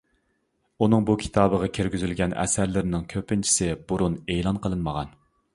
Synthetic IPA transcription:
unɨŋbukʲʰi̥t̪ʰɑːbəʁɑkʲʰeɾɡʲyzylɡʲɛnɛ̰sæɾlɪɾɪnɪŋkʲʰøpɪnt͡ʃʰi̥sɪbuɾunelˠɑnqʰəlˠɨnməʁɑn

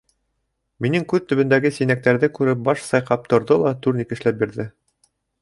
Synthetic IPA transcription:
minɘŋkʉðt̪ɵ̆βɵ̆nd̪æɡɘsinæk̚t̪æɾðɘkʉɾɘp̚bɑʃsɑjqɑp̚t̪ŏɾðɤlˠɑt̪uɾnikɘ̆ʃlæp̚biɾðɘ

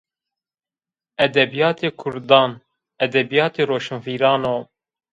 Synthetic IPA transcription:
ɛd̪ɛbijɑːt̪ʰeːkʰʊɾd̪ɑːn | ɛd̪ɛbijɑːt̪eːɾoːʃɨnfiːɾɑːnoː

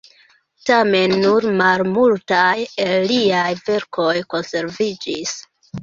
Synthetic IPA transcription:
tame̞nːuɾmalmultajelliajve̞ɾkʰo̞jko̞nse̞ɾvid͡ʒis

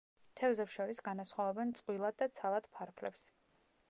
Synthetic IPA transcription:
t̪ʰɛvzɛpsʃɔɾisɡanasχwavɛbɛnt̪sʼqʼwilˠad̪̚ːat̪sʰalˠad̪̥pʰaɾkʰlɛ̰ps

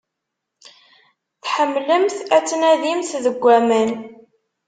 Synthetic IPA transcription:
θħəmːləmθæt͡sːnæðimθðəɡʷːæmæn

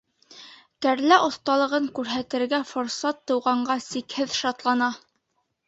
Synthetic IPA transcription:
kæɾlæʔŏθt̪ɑlˠɤ̆ʁɤŋkʉɾɦæt̪ɘ̆ɾɡæfoɾsɑt̪ːɤ̆wʁɑɴɢɑsikhɘðʃɑt̪lˠɑnɑ

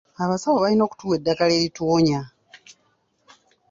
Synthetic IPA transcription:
aβasawoβalino̞ːku̥tuːwe̞dːakale̞ːɾitwoːɲa

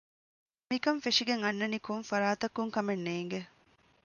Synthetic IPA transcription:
mikɐɱfeʂiɡeŋɐnːɐnikoŋfɐɾaːt̪ɐkːuŋkɐmenːeːŋɡe

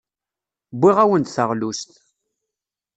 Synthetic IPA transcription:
bʷːiʁæwənt̪θəʁlust̪

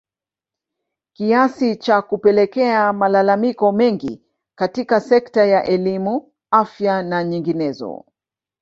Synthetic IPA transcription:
kiasit͡ʃakupɛlɛkɛamalalamikɔmɛŋɡḭ | katikasɛktajaʔɛlimu | afjanaɲiŋɡinɛzɔ̰

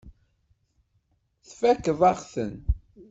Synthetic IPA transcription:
θfækːvaʁθə̰n

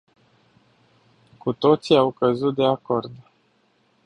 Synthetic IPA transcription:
kut̪o̞t̪siawkəzut̪̚d̪e̞ako̞rd̪

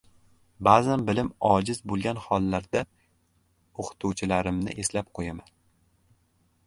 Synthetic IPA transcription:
baːzanbɪlɪmɒd͡ʒɪzbolˠɡʲanhɒlˠːaɾd̪a | oqʰɨ̥t̪ʰuwt͡ʃʰɪlaɾɪmnɪ̰ʔe̞slap̚qʰojaman

